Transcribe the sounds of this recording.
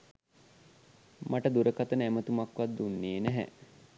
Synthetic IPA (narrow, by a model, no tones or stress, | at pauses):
maʈəd̪uɾəkat̪ənəæmət̪umakʋad̪d̪ːunːeːnæɦɛ̰